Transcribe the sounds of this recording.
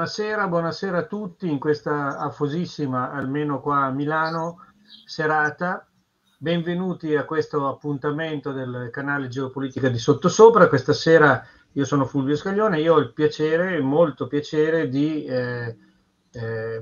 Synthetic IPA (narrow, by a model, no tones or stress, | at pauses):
naseːɾabwɔːnaseːɾaːt̪ːut̪ːiːŋkwest̪aːfozisːimaːlmeːnokwaːmilaːno | seɾaːt̪a | beɱvenuːt̪iakwest̪oapːunt̪ament̪od̪elkanaːled͡ʒeopoliːt̪ikad̪isot̪ːosoːpɾakwest̪aseːɾa | iːosoːnofulvioskaʎːoːneiːoɔilpjat͡ʃeːɾemolt̪opjat͡ʃeːɾed̪i